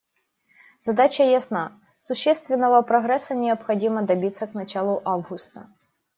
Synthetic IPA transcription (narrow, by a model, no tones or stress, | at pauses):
zɐd̪at͡ɕʲɐjɐsna | sʊɕːɛst̪vʲɪnːɐvɐpɾɔɣɾɛsɐnʲɪɐpxɐdʲimɐd̪ɐbʲit̪sːɐknɐt͡ɕalˠʊʔavɣʊst̪ɐ